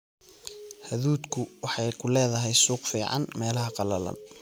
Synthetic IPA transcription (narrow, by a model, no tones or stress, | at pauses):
hɐðuːd̪kʰʊwɑħɑjkʰʊlɛːðɐɦɛjsuːqfiːʕɑ̰nmɛːlɐɦɐqɑlɐlɐ̰n